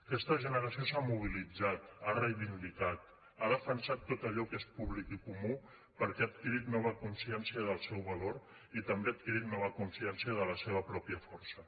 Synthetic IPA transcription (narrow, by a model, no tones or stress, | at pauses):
kɛst̪əʒənəɾəsiosamuβ̞ilid͡zat̪̚arəjβind̪ikat̪̚ | aðəfənsat̪ːot̪əʎɔkespuβlikikumu | pəɾkɛat̪̚kiɾit̪nɔβ̞əkunsiɛnsiəðəlˠsɛwβɐloɾ | it̪əmbeat̪̚kiɾit̪nɔβ̞əkunsiɛnsiəðələseβ̞əpɾɔpjəfɔɾsə